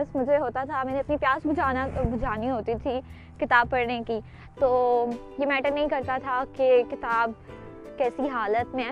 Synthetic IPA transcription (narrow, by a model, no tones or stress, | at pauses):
smʊd͡ʒʱeɦoːt̪at̪ʰamɛːneɐpnipjaːsbʱʊd͡ʒaːnabʊd͡ʒʱaːniɦoːt̪it̪ʰi | kɪt̪aːb̚pɐɽneki | t̪oː | jemɛːʈəɾnɐɦĩkɐɾt̪at̪ʰakekɪt̪aːb | kɛːsiɦaːlət̪mẽː